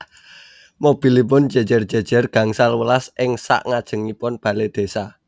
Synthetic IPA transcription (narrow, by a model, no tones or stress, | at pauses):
mob̥i̤lip̬ʊn̥d͡ʒ̥e̤d͡ʒ̥ə̤rd̥d͡ʒ̥e̤d̥ʒ̥ə̤rɡ̥a̤ŋsalwəlasʔɪŋsa̰ʔŋad̥ʒ̥ə̤ŋipʊnb̥ä̤led̪̥e̤sa